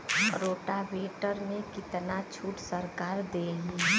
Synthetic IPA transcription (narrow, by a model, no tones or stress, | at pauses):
ɾoːʈabeːʈəɾmẽkɪt̪nat͡ʃʰuːʈsəɾkaːɾd̪eɦũ